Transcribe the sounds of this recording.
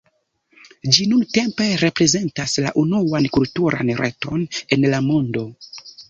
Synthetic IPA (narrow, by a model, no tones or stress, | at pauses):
d͡ʒinunte̞mpe̞ɾe̞pɾe̞ze̞ntasla̰ʔunuwankultuɾa̰nɾʔḛto̞ne̞nlamondo̞